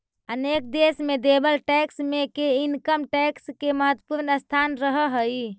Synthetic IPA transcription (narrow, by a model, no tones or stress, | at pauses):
ənek̚d̪esmed̪ebəlʈɛksmekeinkəmʈɛkskeməɦət̪wəpuɾnəst̪ʰanɾəɦəɦəj